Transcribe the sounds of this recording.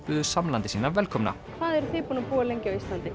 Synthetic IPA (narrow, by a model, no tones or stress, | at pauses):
pʏðʏsamlant̪ɪsiːnavɛlkʰɔmna̰ | θaðɛɾθɪːpunapuːɣalejɲcɪawist̪lant̪ɪ